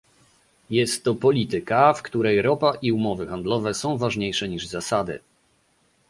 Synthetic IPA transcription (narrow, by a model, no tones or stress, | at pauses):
jɛst̪ːɔpɔlʲit̪ɘkafkt̪uɾɛjɾɔpaʔiumɔvɘxand̪lɔvɛsɔ̃w̃vaʐɲejʂɛɲiʐzasad̪ɘ̰